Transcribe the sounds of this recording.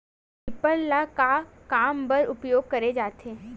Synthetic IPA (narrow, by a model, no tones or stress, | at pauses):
ipəllaka | kambəɾʊpjoɡ̚kəɾed͡ʒat̪ʰe